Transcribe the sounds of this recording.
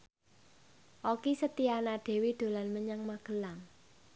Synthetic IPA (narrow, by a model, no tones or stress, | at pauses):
ʔokisət̪ianaɖ̪̥e̤wid̪̥o̤lanməɲaŋmaɡ̥ə̤laŋ